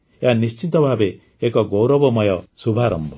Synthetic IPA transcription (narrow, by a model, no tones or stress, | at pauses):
eɦanist͡ʃit̪ɔbʱabeː | kɔɡowɾɔbɔmɔjɔsubʱaɾɔmbʱɔ